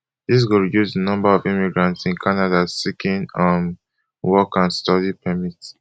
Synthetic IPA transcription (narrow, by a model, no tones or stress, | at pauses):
ðis̬ɡuɹidjusənʌ̃mbaɔvĩmiɡɹãntsĩnkʰanadasikʰĩnãn | wɔkãnstɔdipʰɛmit